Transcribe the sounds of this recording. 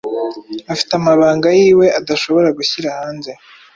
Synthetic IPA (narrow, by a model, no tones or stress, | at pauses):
afi̥tamaβaːŋɡajiːwe̞ʔadaʃo̞βo̞ɾaɡuçiɾahaːnze̞